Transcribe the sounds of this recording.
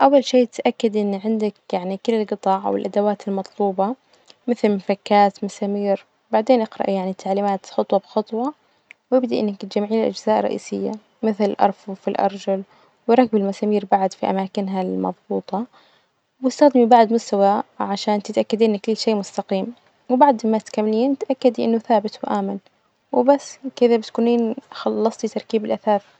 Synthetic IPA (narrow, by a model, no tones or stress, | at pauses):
ʔawːalʃeːt̪ʔakːad̪ʔɪnːʕɪnd̪akjaʕnikɪlːalɡɨt̪ˤɑːʕa̰wɪlʔad̪awaːt̪ɪlmɑt̪ˤluːbɑ | mɪθlmfakːaːt̪masaːmiːɾ | baʕd̪eːnʔɪqɾɑ̰ʔjaʕnit̪ʰːaʕliːmaːt̪xʊt̪ˤwɑbɪxʊt̪ˤwɑ | wjɪbd̪aʔɪ̰nːakt̪d͡ʒamːʕiːlɪlʔa̰d͡ʒzaːʔrˤːɑ̰ʔḭːsɪjːa̰ | mɪθlʔɑ̰ɾˤfufilʔɑ̰ɾˤd͡ʒal | wɪɾˤɑk̚ːbɪlmasaːmiːɾbaʕad̪fiʔa̰maːkɪnɦalmɑ̰ðˤbuːt̪ˤɑ | wɪst̪axd̪ɪmibaʕd̪mʊst̪awaʕaʃaːnt̪ɪt̪ʔakːad̪ʔɪnːkɪlːʃeːmʊst̪ɑqiːm | wɪbaʕd̪mat̪kamːliːnt̪ʔakːad̪iʔɪnːʊθaːbɪt̪wʔaːmɪn | wɪbasːkɪðabɪt̪kuːniːnxɑlːɑsˤt̪it̪ɑɾˤkiːbɪlʔaθaːɾˤ